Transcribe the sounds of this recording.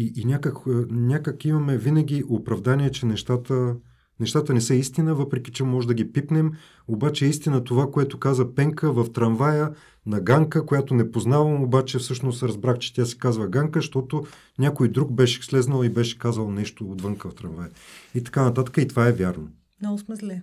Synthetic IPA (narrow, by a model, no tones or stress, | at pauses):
iinʲakəkːnʲakəkimɐmɛvinɐɡʲiʔopɾɐvd̪anʲiɛt͡ʃɛnɛʃt̪at̪ə | nɛʃt̪at̪ənɛsɛist̪inəvɤpɾɛk̟i̥t͡ʃɛmɔʒɛd̪ɐɡʲipipnɛm | obat͡ʃɛːist̪inət̪ovakoɛt̪okazəpɛŋkəvɐft̪ɾɐnvajə | nɐɡaŋkəkojat̪onɛpoznavɐmobat͡ʃɛfsɤʃnost̪ɾɐzbɾaxt͡ʃɛ̥t̪ʲjasi̥kazvəɡaŋkəʃt̪ɔt̪o | nʲakojd̪ɾuɡ̚bɛʃɛslɛznəlˠibɛʃɛ̥kazɐlˠnɛʃt̪oːd̪vɤŋkəft̪ɾɐnvajəit̪ɐ̥kanɐt̪at̪ə̥kəit̪ovaɛvʲjaɾno | nosmɛzlɛ